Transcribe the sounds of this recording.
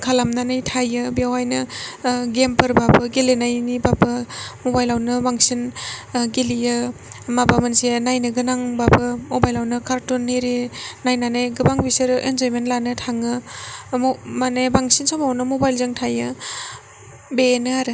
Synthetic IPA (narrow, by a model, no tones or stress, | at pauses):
kʰalamnanɯjtʰajɯbijawajnɯ | ɡempɯɾbapɯɡelenajnibabɯmobajlawnɯbaŋsinɡelijɯmabamansenajnɯɡɯnaŋbabɯmobajlawnɯkʰaɾtuneɾinajnanajɡɯbaŋbiseɾʔenzojmentlanɯtʰaŋɯ | manejbaŋsinsamawnɯmobajlzaŋtʰajɯ | benɯaɾɯ